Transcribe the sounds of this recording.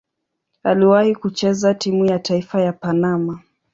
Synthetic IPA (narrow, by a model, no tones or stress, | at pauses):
aliwahikut͡ʃɛzatimujataifajapanama